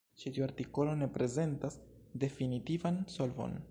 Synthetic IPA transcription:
t͡ʃitioaɾtiko̞lo̞ne̞pɾe̞ze̞ntas | de̞finitivansolvo̰n

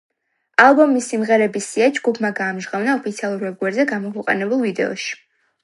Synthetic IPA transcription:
alˠbɔmisːimʁɛɾɛbisiad͡ʒɡupʰmaɡaːmʒʁavnaɔpʰit̪sʰialˠuɾvɛb̚ɡwɛɾzɛɡamɔkʰwɛqʼa̰nɛbulˠvid̪ɛɔ̰ʃi̥

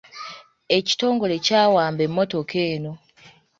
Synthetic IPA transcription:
e̞ci̥to̞ːŋɡo̞lecaːwaːmbemːo̞to̞kʰe̞ːno̞

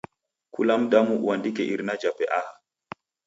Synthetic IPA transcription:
kʰulamdamuwandikɛʔiɾnad͡ʒapɛʔaha

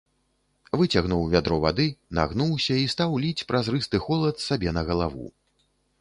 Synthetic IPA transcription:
vɨt͡sʲaɣnuwvʲad̪ɾɔva̰d̪ɨna̰ɣnuwsʲɐist̪awlʲit͡sʲpɾɐzɾɨst̪ɨxɔlˠɐt̪sabʲɛnɐɣɐlˠavṵ

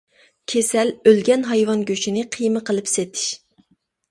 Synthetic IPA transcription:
kʲʰesɛlølɡʲɛnɦɑjwɑnɡʲøʃinɪqʰɨjmɨqʰəlˠɨpset̪ʰɪ̥ʃ

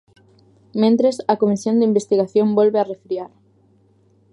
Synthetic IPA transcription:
mẽnt̪ɾesɐkomisjõnd̪ɪimbest̪iɣaθjõmbolβɪarefɾiaɾ

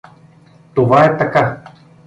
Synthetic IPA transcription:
t̪ovaɛt̪aka

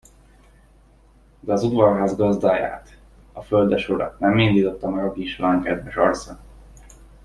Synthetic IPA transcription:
d̪ɛɒzud̪vɒrɦaːzɡɒzd̪aːja̰ːt̪ | ɒføld̪ɛʃuɾɒ̰nɛmːind̪iːt̪o̞t̪ːɒmɛɡɒkiːʃolaːŋkɛd̪vɛʃɒ̰rt̪sɒ

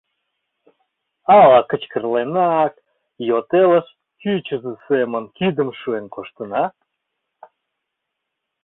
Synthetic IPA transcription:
ɑlɑkə̆t͡ɕkərlenɑk̚ | jot̪eləʃ | kyt͡ɕəzəsemənkid̪əmʃuenkoʃt̪ənɑ

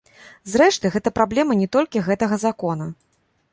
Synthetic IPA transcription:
zɾɛʂt̪ɨɣɛt̪ɐpɾablʲɛmɐnʲɛt̪ɔlʲkʲiɣɛt̪ɐɣɐzakɔnɐ

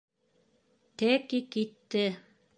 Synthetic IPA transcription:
t̪ækikit̪ːɘ

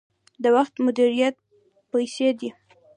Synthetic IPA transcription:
d̪əwaxt̪mʊd̪iɾijat̪̚ | pajsed̪i

